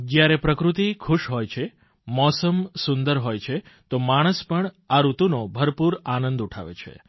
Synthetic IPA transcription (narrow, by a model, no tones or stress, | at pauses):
d͡ʒjaɾepɾəkɾut̪ikʰuʃɦojt͡ʃʰe | mɔsəmsund̪əɾɦojt͡ʃʰet̪omaɽ̃əspəɳ | aɾut̪unobʱəɾpuɾanə̃nd̪uʈʰa̰ʋḛt͡ʃʰḛ